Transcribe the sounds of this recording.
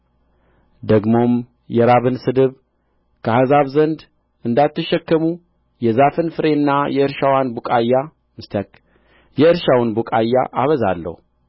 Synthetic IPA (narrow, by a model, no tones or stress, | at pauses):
d̪əɡmo̞m | jɛɾaβɨnsɨd̪ɨβ | kʰəhazaβzənd̪ | ɨnd̪at̪ːɨʃːɛkːəmu | jɛzafɨnfɨɾe̞nːajɛɨɾʃawanbukʼajːa | mɨst̪ʰək | jɛɨɾʃawnbukʼajːa̰ʔaβəza̰lːə̰hu